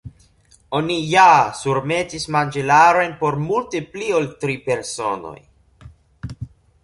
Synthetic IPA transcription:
onijasuɾme̞tismand͡ʒelaɾo̞jnpo̞ɾmulte̞plioltɾipe̞ɾso̞no̞̰j

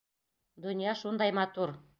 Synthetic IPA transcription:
d̪ŏnijɑʃund̪ɑjmɑt̪uɾ

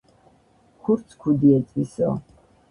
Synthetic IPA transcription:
kʷʰʊrt͡sʰkʷʰudiɛt͡sʼiso̰

